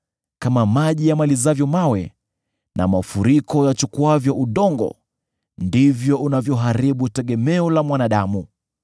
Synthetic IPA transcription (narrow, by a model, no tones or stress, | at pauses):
kamamaʄijamalizavjɔmawɛ | nʔa̰mafuɾikɔjat͡ʃukuavjɔʔuɗɔŋɡɔ̰ | ndivjɔunavjɔɦaɾiɓutɛɠɛmɛɔlamwanaɗamu